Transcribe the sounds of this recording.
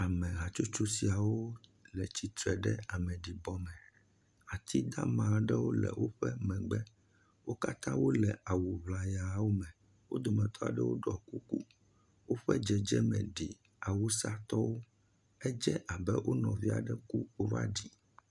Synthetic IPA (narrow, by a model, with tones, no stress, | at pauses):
a˨mɛ̃˨ɦa˨t͡ʃu˦t͡ʃu˦si˨a˨wo˦lɛ˨t͡ɕi˨t̪ɾɛ˨ɖɛ˦a˨mɛ̃˨ɖi˨bɔ˦mɛ̃˨ | a˨t̪ʰi˦d̪a̰˦mã˨ɖɛ˦wo˦lɛ̰˨wʔo˦ɸɛ˦mɛ̃˨ɡ͡bɛ˦ | wo˦ka˦t̪ã˦wo˦lɛ˨a˨wu˨βla˨ja˨wo˦mɛ̃˨ | wo̰˦d̪ɔ˨mɛ̃˨t̪ʰɔ˦a̰˨ɖɛ̰˦wo̰˦ɖɔ˨ku˦kṵ˦ | wo˦ɸɛ˦d͡ʒɛ˨d͡ʒɛ˦mɛ̰̃˨ɖi˨ | a˨wu˦sa˦t̪ɔ˦wo˦ | ɛ˦d͡ʒɛ˦ʔa˨bɛ˦wʔo˦nɔ̃˨vi˦a̰˨ɖɛ˦ku˦o˦ɾa̰˦ɖi˨